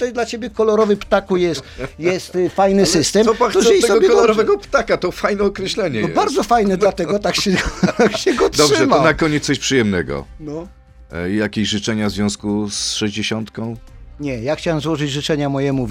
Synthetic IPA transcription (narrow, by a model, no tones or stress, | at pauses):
t̪ɛjd̪lat͡ɕebʲjɛkɔlɔɾɔvɨpt̪akujɛst̪jɛst̪fajnɘsɘst̪ɛmɔpaɔziɛsɔɡɔbʲjɛɔlɔɾɔvɛɡɔpt̪akat̪ɔfajnɛɔkɾɛɕlɛɲɛnɔɛbaɾd̪zɔfajnɛd̪lat̪ɛɡɔt̪akɕɛɡt̪akɕɛɡɔt̪d̪ɔbʐɛvaɔnakɔɲɛt̪ːɔɕpʂɨjɛmnɛɡɔ̰nɔ | jakʲeʑʐɨt͡ʂɛɲavzvʲjɔ̃w̃skusʂɛʑd͡ʑeɕɔnt̪kɔ̃w̃ɲɛjaxt͡ɕawɛmzwɔʐɨd͡ʑʐɨt͡ʂɛɲamɔjɛmu